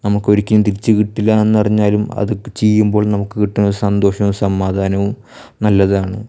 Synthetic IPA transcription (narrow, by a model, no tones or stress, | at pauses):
nɐmukːo̞ɾikʲːinːɐt̪iɾit͡ɕːɨkiʈːilːɐe̞nːɨpɐriɲːaːlumɐ̰ðɨt͡ɕejːumbo̞ːɭnɐmukːɨkiʈːinːoɾusɐnd̪o̞ːʂɐʋumsɐmːaːd̪ʱaːnɐʋum | nɐlːɐðaːɳɨ